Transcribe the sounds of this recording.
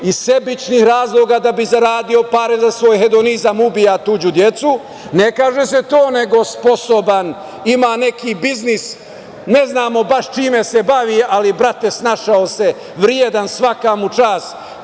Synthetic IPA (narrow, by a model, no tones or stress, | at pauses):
ise̞bit͡ʃnihɾaːzlˠoːɡad̪abizaɾaːd̪io̞paɾezasʋo̞jɦe̞d̪o̞nizamubijat̪uːd͡ʒud̪je̞t̪su | nekaːʒese̞t̪oːneɡo̞spo̞soban | imaːne̞kibiznis | ne̞znaːmo̞baʃt͡ʃiːmese̞baʋiʔalibɾat̪e̞snaʃaose̞ | ʋɾjed̪ansʋakamut͡ʃaːst̪